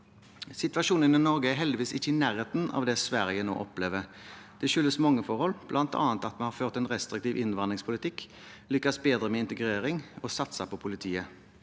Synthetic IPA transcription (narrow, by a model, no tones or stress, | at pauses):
sɪt̪ʋɑʃuːnənɪnɔʁɡəæɾɦɛld̪ɪʋiːsɪçːəɪnæːʁheːt̪n̩ɑ̰ʋd̪ɛːsʋæʁjəno̰ːʔɔpleːʋəʁd̪̥ɛʃʏlːəsmɑŋːəfɔʁhɔlb̥lʔɑnt̪ɑ̰ːnt̪ɑt̪mɛnhɑføːʁt̪ɛnʁɛst̪ʁɾɪkt̪iːʋʔɪnəʋɑnd̪ʁɪŋspʰʊlɪt̪ɪkː | lʏkːɑsbeːd̪ɾəmɛːɪnt̪əɡɾeːɾɪŋɔsɑt̪sɑpʰɔpʰʊlɪt̪ʰiːə